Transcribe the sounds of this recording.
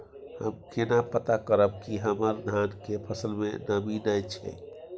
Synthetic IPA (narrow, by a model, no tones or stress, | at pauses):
hə̰mkenapət̪akəɾəb̚kiɦəməɾd̪ʱankepʰəsəlmenəbinajt͡ʃʰə̰